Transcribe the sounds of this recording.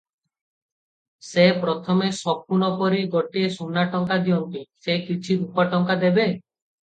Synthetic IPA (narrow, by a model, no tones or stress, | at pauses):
sepɾɔt̪ʰɔmesɔb̚kuɽ̃ɔpɔɾiɡɔʈiesunːaʈɔŋkad̪iɔnt̪isekit͡ʃʰiɾupaʈɔŋkad̪ebe